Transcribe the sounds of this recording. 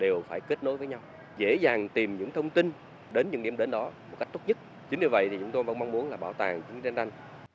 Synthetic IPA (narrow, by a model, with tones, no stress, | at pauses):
ɗe˨˩wfaː˧˩jke˦˥t̚no˨˦jvəː˨˦jɲa˧w | zḛ˧˥zaː˨˩ŋt̪i˨˩mɲɨ̰˧˥ŋt̪ʰə˧wŋ͡mt̪i˧n | ɗe˨˦nɲɨ̰˧˥ŋɗḭ˧˩əmɗe˨˧˦nɗɔ˨˦mo˨˩t̚ka˦˥k̚t̪o˦˥t̚ɲɨ˦˥t̚ | t͡ɕï˨˦ŋ̟ɲɨ˧və̰˧˨jt̪ʰi˨˩t͡ɕʊ˨˦ŋ͡mt̪o˧jvə̰˧˥nma˧ŋ͡mmu˨˦ənlaː˨˩ɓaː˧˩wt̪aː˨˩ŋt͡ɕi˨˦ŋza˧nʔa˧jŋ̟